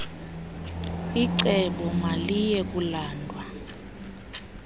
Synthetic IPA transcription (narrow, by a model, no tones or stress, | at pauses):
iǀɛɓɔmalijɛk̬ʼulaːndʱwa